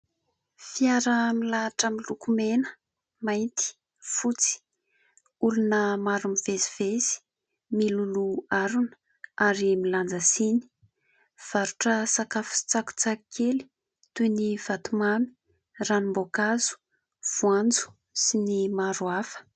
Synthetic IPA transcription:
fiaɾəmilaʈ͡ʂəmilukumenə̥ | majnt̪i̥ | fut͡si̥ | ulunəmaɾumivezivezi̥ | miluluaɾunə̥ | aɾimiland͡zəsini̥ | v̥aɾuʈ͡ʂəsakafu̥si̥t͡saku̥t͡sakikʰeli̥ | t̪univ̥at̪umami̥ | ranimbokazu̥ | v̥uand͡zu̥ | sinimaɾuafə̥

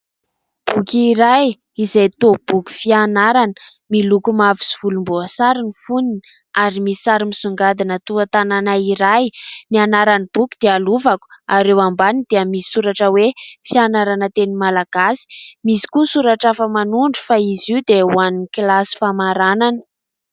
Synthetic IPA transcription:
b̥ukʲiːɾaj | izajt̪ob̥ukʲu̥fianaɾanə̥ | milukumavisi̥v̥ulumboasaɾinifunin | aɾimisi̥saɾimizuŋɡad̪inət̪uat̪ananaiɾajnianaɾanib̥ukʲu̥d̪ealuvaku̥aɾewambanid̪̥eəmisi̥suɾaʈ͡ʂəwefianaɾanət̪enimalaɡ̥asi̥misi̥kusuɾaʈ͡ʂafəmanuɳɖ͡ʐufaiziud̪euaniniklasi̥famaɾananə̥

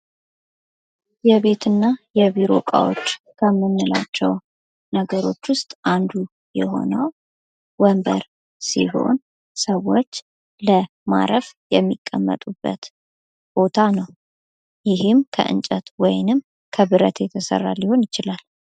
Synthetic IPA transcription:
jɛβe̞t̪ʰɨnːajɛβiɾo̞̰kʼa̰wo̰t͡ʃː | kʰəmːɨnːɨla̰t͡ʃːɛw | nəɡəɾo̞t͡ʃːwʊst̪ʼʔand̪u | jɛɦo̞̰nəw | wəmbə̰ɾ | sḭɦo̞̰n | səwːot͡ʃː | lə | ma̰ɾəfjɛmːikʼːəmːə̰t̪ʼubːə̰t̪ | b̥o̞t̪ʰanəw | jɪɦɨmkʰə̰ʔɨ̰nt͡ʃʼət̪wɔjnɨm | kʰəβɨɾə̰t̪jɛt̪ʰəsə̰rːa̰lːiho̞njɪt͡ʃɪlal

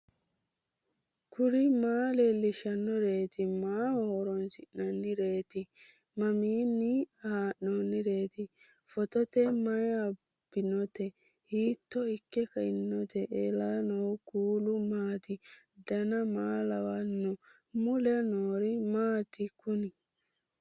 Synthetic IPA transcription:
kʰʊɾɪmaːlelːɪʃɐnːɔɾe̞ːt̪ɪmaːhɔhoɾɔnsɪʔnɐnːɪɾe̞ːt̪ɪ | mɐmiːnːɪhaːʔːɔnːɪɾe̞ːt̪ɪ | fɔt̪ɔt̪ɛmɐjɐb̥ɪnɔt̪ɛhiːt̪ːɔɪkːɛkɐɪnːɔt̪ʰɛʔeːlanɔwkuːlʊmaːt̪ɪ | d̪ɐnɐmaːlɐwɐnːɔ | mʊlɛnoːɾɪmaːt̪ɪkʊnɪ

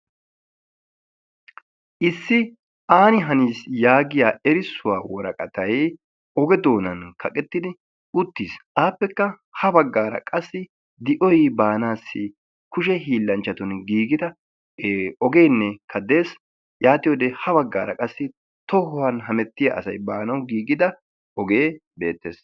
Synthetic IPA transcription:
ʔɪsːɪ | aːnɪɦɐniːsjaːɡɪjaːɛɾɪsːʊwaːwɔɾɐ̰kʼɐt̪ɐj | ɔɡɛd̪oːnɐnkʰɐkʼɛt̪ːɪd̪ɪ | ʊt̪ːiːsʔaːpːɛkːɐ | hɐbɐɡːaːɾɐ̰kʼɐsːɪ | d̪ɪʔɔjbaːnaːsːɪ | kʊʃɛɦiːlːɐnt͡ʃːɐt̪ʊnɡiːɡɪd̪ɐ | ɔɡe̞ːnːɛkʰɐd̪e̞ːs | jaːt̪ɪjɔːd̪ehɐbɐɡːa̰ːɾɐkʼɐsːɪ | t̪ɔhɔwɐnɦɐmɛt̪ːɪjɐ̰ʔɐsɐjbaːnɐwɡiːɡɪd̪ɐ | ɔɡe̞ːbe̞̰ːt̪ːḛːs

